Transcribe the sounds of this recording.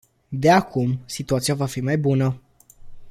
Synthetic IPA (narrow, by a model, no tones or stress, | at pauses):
d̪eakʰumsit̪uat̪sijavafimajbunə